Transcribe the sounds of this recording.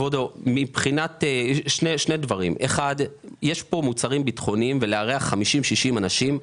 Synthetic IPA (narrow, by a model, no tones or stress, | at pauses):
vod̪omipχinat̪eʃneʃne̞d̪vaʁḭmeχad | jeʃpo̞mut͡saʁimbit̪χo̞nimveleaʁeaχːamiʃimʃiʃimanaʃim